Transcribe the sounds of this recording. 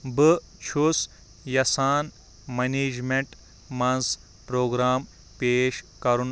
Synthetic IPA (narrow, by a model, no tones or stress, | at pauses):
bɨ | t͡ʃʰus | jɐsaːn | mɐneːd͡ʒmeɳʈ | mɐnz | pɾoːɡɾaːm | peːʃkɐɾun